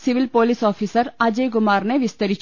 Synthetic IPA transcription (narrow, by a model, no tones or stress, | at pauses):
sɪʋɪlpoːlisɔːfʰiːsəɾaːd͡ʒeɡʊmaːɾneʋɪst̪əɾi